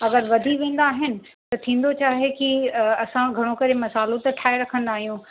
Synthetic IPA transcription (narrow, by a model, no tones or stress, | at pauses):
ɐɡəɾʋɐd̪ʱiʋẽːn̆d̪aːɦɪnɪ̆ | t̪ɐt̪ʰĩːn̆d̪ot͡ɕaːɦekiɐsãɡʱɐɽ̃okɐɾemɐsaːlot̪ɐʈʰaːeɾɐkʰə̃nd̪aːɦijũ